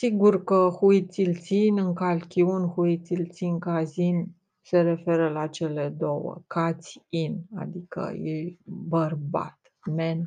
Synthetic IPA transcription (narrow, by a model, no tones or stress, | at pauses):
siɡurkəhuit̪silt̪sinʲɨŋkalkʲiunʲxuit̪silt̪siŋkazinʲ | se̞ɾe̞fe̞ɾəlat͡ʃe̞le̞d̪o̞wə̰kat̪sʲina̰d̪ikə̰jebərba̰t̪ | men